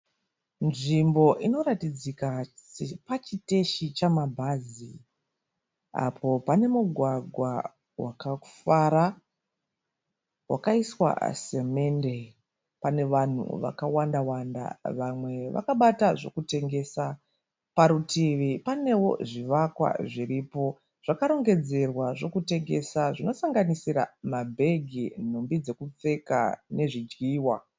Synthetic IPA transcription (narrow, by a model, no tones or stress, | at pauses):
nʐimbo̞ʔino̞ɾatid͡zikasepat͡ʃite̞ʃit͡ʃamabʱazi | a̰pʰo̞pane̞muɡʱwaɡʱwa | wakaufaɾa | wa̰kaiswa̰se̞me̞nde̞ | pane̞ʋan̤ṵʋa̰kawandawanda̰ʋamwe̞ʋa̰kaɓataʐo̞kute̞ŋɡe̞sa | paɾutiʋipane̞wo̞̰ʐiʋakwa̰ʐiripo̞ | ʐ̥akaɾo̞ŋɡe̞d͡ze̞rwaʐo̞kute̞ŋɡe̞saʐino̞saŋɡanisiɾa̰mabʱe̞ɡʱin̤ombid͡ze̞kup͡fe̞ka̰ne̞ʐid͡ʒɡiːwa